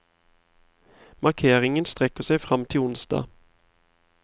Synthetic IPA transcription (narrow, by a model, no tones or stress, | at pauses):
mɑʁkʰeːʁɪŋənst̪ʁɛkːəʁsæɪfʁɑmt̪ʰɪlʊnsd̪̥ɑ̰ː